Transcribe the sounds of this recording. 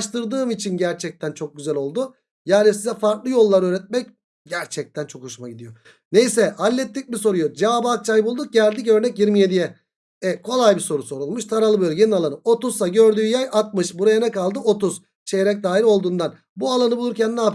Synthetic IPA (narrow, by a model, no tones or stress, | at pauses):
ʃt̪ɯɾd̪ɯːmit͡ʃʰinɟæɾt͡ʃʰɛc̚t̪ʰænt͡ʃʰo̞k̚ɟyzælʲo̞lˠd̪u | jaːnisizɛfaɾklˠɯjo̞lˠːaɾøːɾɛt̪̚mɛc̚ | ɟæɾt͡ʃʰɛc̚t̪ʰænt͡ʃʰo̞khoʃumaɡɟid̪ijo̞ | ne̞jsɛhalʲːɛt̪ʰːic̚ʲmiso̞ɾujod͡ʒaaːbak̚t͡ʃʰajbulˠd̪uk̚ɟælʲd̪icø̞ɾnɛcjiɾmije̞d̪ijɛ | ɛkʰo̞lˠajbiso̞ɾuso̞ɾulˠmuʃt̪ʰaɾalˠɯbøjlʲje̞nialˠanɯo̞t̪uzsaɟø̞ɾd̪yːjajat̪̚mɯʃbuɾajanɛkalˠd̪ɯo̞t̪uz̥ | t͡ʃʰeɾɛc̚d̪aːiɾo̞lˠd̪uːnd̪an | bualˠanɯbulˠuɾcænːaːf